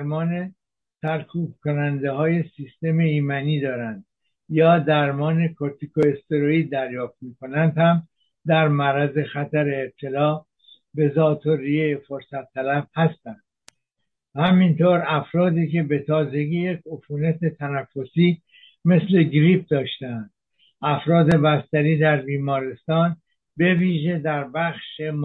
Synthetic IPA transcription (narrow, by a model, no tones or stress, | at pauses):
ɾmɒːne̞ | sæɾkʰuːb̥̚kʰonænd̪ehɒːje̞siːst̪e̞meiːmæniːd̪ɒːɾænd̪ | jɒːd̪æɾmɒːne̞kʰoɾt̪ikʰoest̪e̞ɾoiːd̪æɾjɒːft̪̚miːkʰonænd̪hæm | d̪æɾmæɾæze̞xæt̪æɾe̞ːb̚t̪ʰe̞lɒː | be̞zɒːt̪ʰoɾijefoɾsæt̪ʰːælæb̥hæst̪ænd̪̥̚ | hæmint̪ʰoːɾæfɾɒːd̪iːke̞be̞t̪ʰɒːze̞ɡiːje̞kʰofuːnæt̪ʰet̪ʰænæfːo̞siː | me̞sle̞ɡɾip̚d̪ɒːʃt̪end̪̥ | ʔæfɾɒːd̪e̞bæst̪æɾiːd̪æɾbiːmɒːɾest̪ɒːn | be̞viːʒe̞d̪æɾbæχʃem